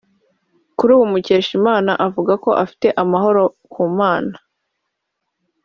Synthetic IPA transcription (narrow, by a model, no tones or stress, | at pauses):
kuɾuːwumuce̞ːʃimaːnaʔavuɡako̞ʔafi̥te̞ʔamaɦo̞ɾo̞ | kʰuːmaːna